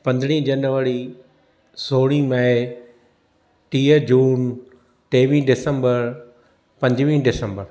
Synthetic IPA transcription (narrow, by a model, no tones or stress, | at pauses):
pɐ̃nd̪ɽ̃ĩd͡ʑɐnʋəɾi | soːɽ̃ĩmɛ | ʈiːəd͡ʑuːn | ʈeːʋĩːɖɪsə̃mbəɾ | pɐ̃ɲd͡ʑʋĩːɖɪsə̃mbəɾ